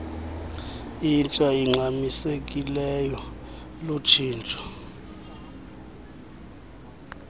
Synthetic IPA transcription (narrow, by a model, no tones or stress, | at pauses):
int͡ʃʼaiŋ͡ǀʱamisek̬ʼilɛjɔ | lut͡ʃʰiːnt͡ʃʼɔ̥